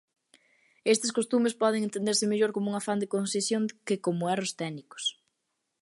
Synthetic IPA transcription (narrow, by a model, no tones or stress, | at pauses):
est̪eskost̪umespɔð̞eŋẽnt̪ẽnd̪eɾsɪmeʎoɾkomʊuŋɐfand̪ekonsesjoŋkɪkomʊɛrost̪ɛnikʊ̥s